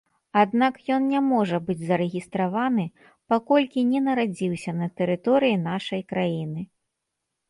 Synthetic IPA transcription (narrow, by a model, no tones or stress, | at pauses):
ad̪nakjɔnnʲamɔʐɐbɨd͡zʲzɐɾɛɣʲist̪ɾavanɨ | pakɔlʲkʲinʲɛnɐɾad͡zʲiwsʲɐnɐt̪ɛɾɨt̪ɔɾɨjinaʂɐjkɾajinɨ